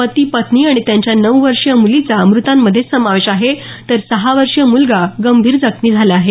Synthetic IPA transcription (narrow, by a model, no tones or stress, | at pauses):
pət̪iːpət̪niːaɽ̃it̪jãɲt͡ɕjanəʋʋəɾʂjəmulit͡samɾut̪amːəd̪ʱːjesəmaʋeɕaɦet̪əɾsəɦaʋəɾʂjəmulɡaɡəmbʱiːɾd͡zəkʰniːd͡zʱalaaɦe